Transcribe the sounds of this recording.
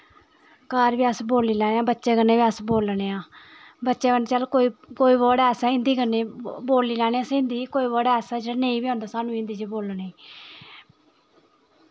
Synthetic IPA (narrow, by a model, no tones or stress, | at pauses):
kaːɾʋiːəsboːliːlɛːnẽãːbətːʃeːɡənːeːbiəsboːlneːãːbətːʃeːbənt͡ʃəlkoːiːkoːiːbɔːɽɛːsaːɪ̃nd̪iːkənːeːboːliːlaːneːaːsɪ̃nd̪iːkoːiːbɔːɽɛːsaːd͡ʒeːɽanẽːĩːbiːõːnd̪aːsaːnũːɪ̃nd̪iːt͡ʃeboːlneː